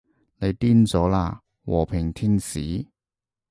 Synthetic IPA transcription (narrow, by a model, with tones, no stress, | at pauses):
ne˨˧jt̪iː˥nt͡sɔː˨˥la̰ː˧ | wɔ̰ː˨˩pʰɪ˨˩ŋt̪ʰiː˥nsiː˨˥